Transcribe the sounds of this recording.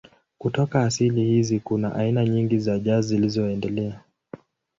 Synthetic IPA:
kutɔkaːsilihizikunaʔainaɲiŋɡizaʄazilizɔɛndɛlɛa

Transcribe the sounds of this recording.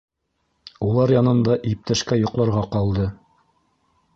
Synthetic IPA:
ulˠɑɾjɑnɤ̆nd̪ɑʔip̚t̪æʃkæjŏqlˠɑɾʁɑqɑlˠd̪ɤ

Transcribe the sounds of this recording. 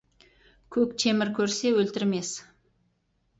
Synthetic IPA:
kʲʰɵkʲt̪ʰemɪɾkʲʰɵɾse̞wɵlt̪ɪɾme̞s

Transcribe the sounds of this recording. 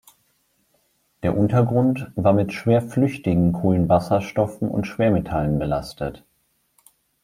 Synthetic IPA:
d̥eːɐʔʊntɐɡʁʊntv̥aːɐmɪtʃv̥eːɐflʏçtɪɡŋ̩kʰoːlənvasɐʃtɔfn̩ʊ̰ntʃv̥eːɐmetʰalənbəla̰stʰə̰t

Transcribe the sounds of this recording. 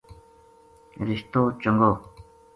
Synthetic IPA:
riht̪ot͡ɕoŋɡo

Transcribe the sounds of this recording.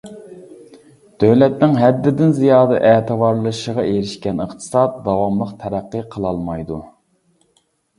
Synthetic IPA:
d̪̥øwlɛt̪nɪŋɦɛd̪ːɪd̪ɪnzijɑːd̪ɨʔɛːt̪ʰɨvɑɾlˠəʃəʁɑʔeɾɪʃkʲɛnəχt̪ʰɨ̥sɑt̪̚d̪ɑwɑmlˠəqt̪ʰɛɾæqːəqʰəlˠɑlˠmɑjd̪u

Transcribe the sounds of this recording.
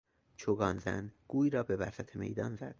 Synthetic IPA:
t͡ʃʰoɡɒːnzæ̰nɡ̥uːjɾɒːbe̞væsæt̪ʰeme̞̰jd̪ɒːnzæ̰d̪̥

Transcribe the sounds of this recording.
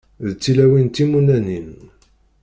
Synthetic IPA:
ðt͡sːilæwint̪imunænin

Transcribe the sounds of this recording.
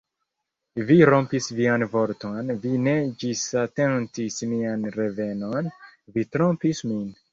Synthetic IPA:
viɾompisvianvo̞ɾto̞nvine̞d͡ʒisate̞ntismianɾe̞ve̞no̞nvitɾo̞mpismin

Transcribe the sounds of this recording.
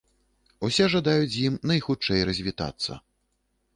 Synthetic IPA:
usʲɛʐad̪ajut͡sʲjimnɐjxut͡ʂɛjrɐzʲvʲit̪a̰t̪sːɐ̰

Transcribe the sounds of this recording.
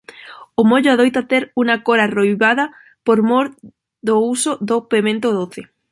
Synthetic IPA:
omoʎoaðojt̪at̪eɾuŋakoɾarojβaða | poɾmoɾ | ðousoðopemẽnt̪oðoθe

